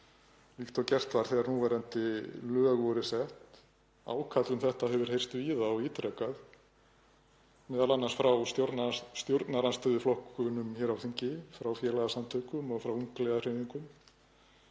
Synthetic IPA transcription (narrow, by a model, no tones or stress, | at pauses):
likt̪awcɛr̥t̪vaɾ̥θɛɣaɾnuːvɛɾant̪ɪlœːɣvɔɾɪsɛht̪ | a̰ːwkʰat̪lʏmθɛht̪aɦɛvʏɾ̥hejrst̪viːðaɔiːt̪ɾɛkað | mɛːðalanːansfɾawsjoɾt̪nst̪jowɾt̪naɾanst̪œðʏflɔhkʏnʏmçɛɾawθiɲcɪfɾawfjɛːlaɣasamt̪ʰœkʏmɔɣfɾawuŋklɛɣar̥eniŋkʏm